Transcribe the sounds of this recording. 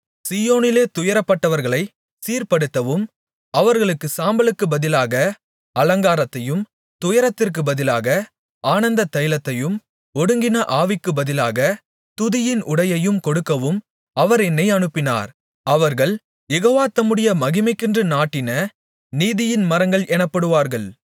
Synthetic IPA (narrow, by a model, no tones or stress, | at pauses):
siːjoːnɪleːt̪ʊjɐɾɐpːɐʈːɐʋɐɾɣɐɭɐɪ | siːɾpɐɽɯt̪ːɐʋɯm | ɐʋɐɾɣɐɭɯkːɯsaːmbɐlɯkːɯbɐðɪlaːɣɐ | ɐlɐŋɡaːɾɐt̪ːɐjɯm | t̪ʊjɐɾɐt̪ːɪrk̬ɯbɐðɪlaːɣɐ | aːnɐnd̪ɐt̪ɐjlɐt̪ːɐjɯm | ɔɽɯŋɡɪnɐʔaːʋɪkːɯbɐðɪlaːɣɐ | t̪ʊðɪjɪnʔʊɽɐjɐjɯmkɔɽɯkːɐʋɯm | ɐʋɐɾɛnːɐɪɐɳɯpːɪna̰ːɾ | ɐʋɐɾɣɐɭ | jɛɣoːʋaːt̪ːɐmɯɽɪjɐmɐɣɪmɐɪkːɪndrɯnaːʈːɪnɐ | niːðɪjɪnmɐɾɐŋɡɐɭʔɛnɐpːɐɽɯʋaːɾɣɐɭ